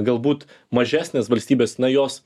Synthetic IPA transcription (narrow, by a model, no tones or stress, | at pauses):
ɡɐlˠbuːt̪ | mɐʒʲæːsʲnʲeːsʋɐlʲsʲt̪ʲiːbʲeːsnɐjoːs